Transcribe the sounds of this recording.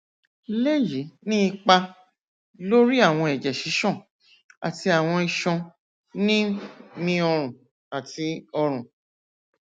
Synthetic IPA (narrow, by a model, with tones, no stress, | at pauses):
le˦ji˨˦nĩ˦i˧k͡pa˧ | lo˦ɾi˦a˦˨w̃ɔ̃˧ɛ˨d͡ʒɛ˨ʃi˨˦ʃɔ̃˦˨ | a̰˨ti˧a˨w̃ɔ̃˧i˧ʃɔ̃˧ | nĩ˦mĩ˧ɔ˧ɾ̃ũ˨ | a˨ti˧ɔ˧ɾ̃ũ˨